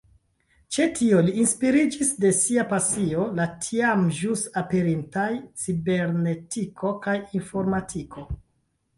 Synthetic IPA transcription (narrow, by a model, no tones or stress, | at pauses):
t͡ʃe̞tʰio̞liinspiɾid͡ʒisde̞siapasio̞latʰiamʒusape̞ɾintajt͡sibe̞ɾne̞tikʰo̞kajinfo̞ɾmatʰikʰo̞